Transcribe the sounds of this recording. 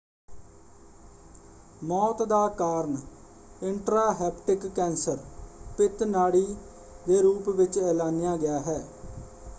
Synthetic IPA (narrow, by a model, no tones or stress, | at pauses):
mɔːt̪d̪aːkaːɾən | ɪɳʈɾaːɦɛːpʈɪkːɛ̃ːnsəɾpɪt̪naːɽiː | d̪eːɾuːpʋɪt͡ʃɛːlaːnɪjaːɡɪjaːɦɛː